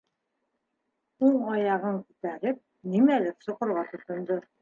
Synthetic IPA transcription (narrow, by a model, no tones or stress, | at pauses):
uɴɑjɑʁɤŋkʉt̪æɾɘp̚ | nimælɘksŏqŏɾʁɑt̪ŏt̪ŏnd̪ɤ